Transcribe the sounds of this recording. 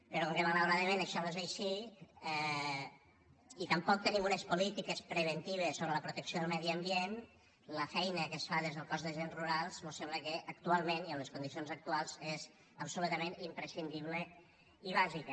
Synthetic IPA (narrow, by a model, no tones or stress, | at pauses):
pəɾɔkoŋkəmaləwɾaðəmẽnəʃɔezəjʃiɛ | it̪əmpɔk̚t̪ənimunəspulit̪ikəspɾəβ̞ənt̪iβ̞esːoβɾələpɾut̪əksioðəlˠmɛðiəmbien | ləfɛjnəkəsfaðezðəlˠkɔzðəʒenzruɾalˠzmosembləkəʔəkt̪ualˠmẽniəmləskund̪isionzək̚t̪ualˠzez | əpsulut̪əmenimpɾəsind̪iβ̞lə | iβaʒikə